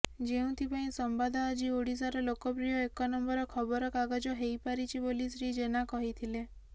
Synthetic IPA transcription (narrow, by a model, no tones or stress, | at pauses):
d͡ʒeũt̪ʰipaĩsɔmbad̪ʱaːd͡ʒioɽis̬aɾɔlokɔpɾijɔekɔnɔmbɔɾɔkʰɔbɔɾɔkaɡad͡ʒɔɦejpaɾit͡ʃʰibolisɾid͡ʒenakɔɦit̪ʰile